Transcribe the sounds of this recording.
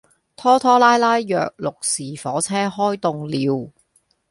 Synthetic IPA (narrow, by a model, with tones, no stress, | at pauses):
t̪ʰɔː˥t̪ʰɔː˥laː˥jlaː˥jːœ̰ː˨k̚lʊ˨k̚siː˨˩fɔː˨˥t͡sʰɛː˥ɦɔː˥jt̪ʊ˨ŋliː˨˧w